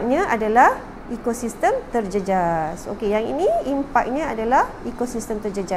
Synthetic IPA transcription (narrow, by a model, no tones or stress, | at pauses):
k̚ɲãʔadalah | ikosist̪əmt̪ərd͡ʒəd͡ʒaso̰kejaŋḭnĩimpak̚ɲãadalahikosist̪əmt̪ərd͡ʒəd͡ʒa